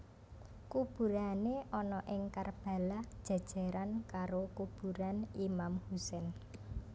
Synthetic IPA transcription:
kub̥ṳɾaneʔɔnɔʔɪŋkarb̥ä̤lad̥ʒ̥ä̤d̥ʒ̥a̤ɾankaɾokub̥ṳɾanimamhusɛn

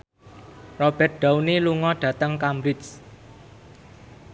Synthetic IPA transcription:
rɔb̥ɛ̤t̪̚ɖ̥awniluŋɔɖ̥ä̤t̪əŋkambɾɪs

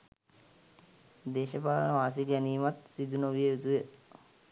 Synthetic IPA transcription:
d̪eːʃəpaːlənəʋaːs̬iɡæniːmat̪sid̪unoʋijeut̪ujə

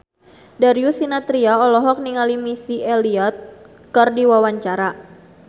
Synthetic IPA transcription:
daɾiusinat̪ɾiaɔlɔɦɔk̚niŋalimisieliɔt̪̚ | kərdiwawaɲt͡ʃaɾa

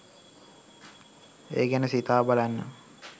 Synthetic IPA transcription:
eːɡænəsit̪aːbalanːə̰

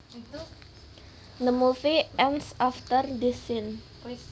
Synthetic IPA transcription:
nəmufiɛnsɔft̪ərd̪esɪn

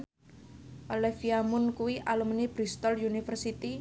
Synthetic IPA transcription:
ʔolɛfiamʊnkuwiʔalumnibɾist̪ɔljunifərsit̪i

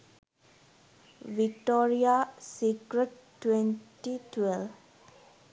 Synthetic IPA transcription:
ʋik̚ʈoːɾijasikɾəʈː | wenʈitʋel

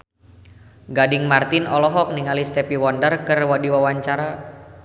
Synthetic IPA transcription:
ɡadɪŋmart̪ɪnɔlɔɦɔk̚niŋalist̪ɛpiwɔndərkərwadiwawaɲt͡ʃaɾa

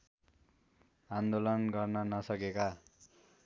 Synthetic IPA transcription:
and̪olʌnɡʌrnʌnʌsʌkeka

